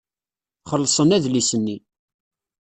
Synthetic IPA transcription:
χəlːsˤənæðlisənːi

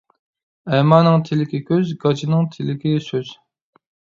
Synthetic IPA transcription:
ɛmɑːnɨŋt̪ʰɪlɪkʲikʲøzɡɑt͡ʃʰinɨŋt̪ʰɪlɪkʲisøz̥

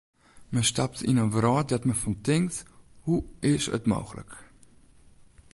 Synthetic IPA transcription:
məstɑp̚tɪ̰nəvɾɑːt̚dɔtməfɔntɪŋkthuɪsə̰tmo̰wχlə̰k

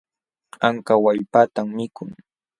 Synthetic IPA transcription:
aŋkawaʎpat̪amːɪkʊŋ

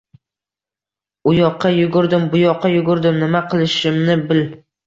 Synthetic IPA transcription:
ʊjɒqʰːɑjʊɡʊɾd̪ɪmbʊjɒqʰːɑjʊɡʊɾd̪ɪmnɪmaqʰɨlˠɪʃɪmnɪbɪl

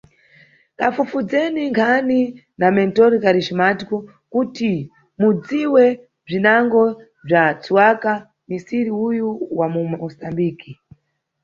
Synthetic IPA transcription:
kafufud͡zɛniŋkʰani | namɛntɔɾikaɾiʃimatiku | kuti | mud͡ziwɛ | b͡ʐinaŋɡɔ | b͡ʐat͡suwaka | misiɾiujuwamumɔsambiːki

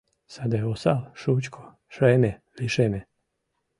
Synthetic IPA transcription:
sad̪aosalʃut͡ɕkʰo | ʃɾeːneliʃene

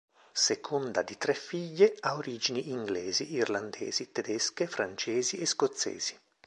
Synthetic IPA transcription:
sekʰond̪ad̪it̪ɾɛfːiʎːeaoɾiːd͡ʒiniʔːŋɡlɛːziirland̪ɛ̰ːz̥it̪ɛd̪ɛskefɾant͡ʃɛːzieskot̪sːɛ̰ːz̥i̥

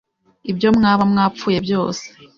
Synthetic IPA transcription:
ibjo̞mŋaːβamŋaːp͡fuːje̞bjo̞ːse̥

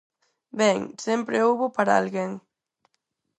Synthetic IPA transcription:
bɛŋsɛmpɾeowβopaɾaa̰lɣeŋ

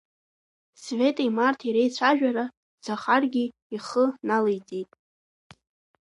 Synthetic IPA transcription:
sve̞tʼimartʰiɾejt͡ɕʷʰaʒᶣaɾa | d͡zaχarɡʲi | iχənalejt͡sʼijtʼ

